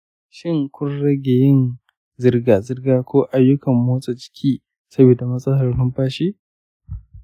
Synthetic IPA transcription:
ʃɪ˦ŋkʷʊ˦nɽɐ˦ɡʲe˨jɪ˦n | zɪ˦rɡaː˨zɪ˦rɡaː˦kʷʰoː˦ʔa˦jːʊ˦kɐ˨mːoː˦sʼe˨t͡ʃɪ̥˦kʲʰiː˦ | sɐ˦bi˨da˨mɐ˦sʼɐ˦ɦɐ˨rhʊ˦mɸaː˦ʃiː˦

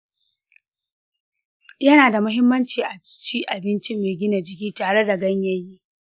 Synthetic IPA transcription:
jɐ˦naː˨da˨mʊ˦ɦɪ˦mːɐ˦nt͡ʃiː˨ʔa˨t͡ʃiː˦ʔa˨bɪ˦nt͡ʃɪ˦mːeː˨ɡʲɪ˦na˨d͡ʒɪ˦kʲiː˦taː˨ɽe˦da˨ɡɐ˦ɲjɐ˦jiː˦

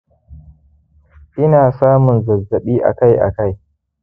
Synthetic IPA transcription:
ʔɪ˦naː˨saː˦mʊ˨nzɐ˨zːɐ˨ɓiː˦ʔa̰˨ka˦jʔa̰˨ka˦j

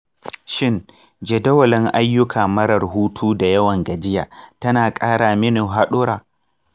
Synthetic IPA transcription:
ʃɪ˦n | d͡ʒɛ˨dɐ˦wɐ˨lɪ˦ŋʔa˦jːʊ˦kʰaː˨mɐ˦ɽɐ˨rhuː˦tʰuː˦da˨jɐ˦wɐ˨ŋɡɐ˨d͡ʒɪ˦ja̰ː˨tɐ˦naː˨kʼaː˦ɽaː˨mɪ˦nu˨ɦa˦ɗʊ˦ɾaː˨

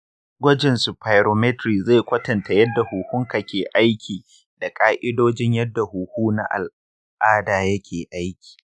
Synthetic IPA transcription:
ɡʷɐ˦d͡ʒɪ˨nsu˨pʰa˨jɾoː˨mɛ˦tɾiː˨ze˦˨kʷɐ˦tɐ˨nta˨jɐ˦dːa˨huː˨hʊ˦ŋka˨kʲeː˨ʔa˦jkʲʰiː˨ | da˨kʼaː˦ʔɪ˦doː˦d͡ʒɪ˦ɲjɐ˦dːa˨huː˨huː˦na̰˦ʔa̰˨l | ʔaː˦daː˨jɐ˦kʲʰeː˨ʔa˦jkʲi̥ː˨

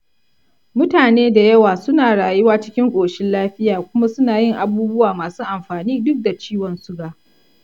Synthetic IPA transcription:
mʊ˦taː˨neː˦da˨jɐ˦waː˨sʊ˦naː˨ɽaː˨jʊ˦waː˦t͡ʃɪ˦kʲɪ˦ŋkʷʼoː˨ʃɪ˦nlaː˦ɸɪ˦jaː˨kʷʊ˦ma˦sʊ˦naː˨jɪ˦˨ŋʔa˨buː˦bʊ˦waː˨maː˨suː˦ʔa˨mɸaː˨niː˦dʊ˦k̚da˨t͡ʃiː˦wɔ˨nsʊ˦ɡaː˨

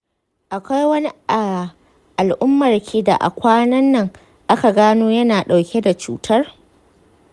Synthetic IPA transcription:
ʔa˨kʷa˦jwɐ˦ni˦˨ | ʔa˨lʔʊ˦mːɐ˨rkʲʰiː˦da̰˨ʔa̰˨kʷaː˦nɐ˦nːɐ˦˨ŋ | ʔa˦ka˨ɡaː˦noː˦jɐ˦naː˨ɗa˨wkʲʰe˦da˨t͡ʃuː˨˦tʰɐ˦r

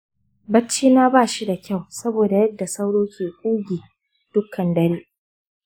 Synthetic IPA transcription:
bɐ˦t͡ʃːiː˦naː˦baː˦˨ʃi˦da˨kʲa˦˨wsɐ˦boː˨da˨jɐ˦dːa˨sa˦wɽoː˦kʲʰeː˨kʷʼuː˦ɡʲiː˨ | d̥ʊ˦kʰːɐ˨ndɐ˦ɽeː˦ʔ

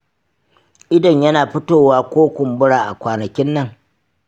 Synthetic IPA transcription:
ʔɪ˦dɐ˨ɲjɐ˦naː˨ɸʊ˦toː˦˨waː˦kʷoː˦kʷʊ˨mbʊ˦ɽaː˨ʔa˨kʷaː˨nɐ˨kʲɪ˦nːɐ˦˨ŋ

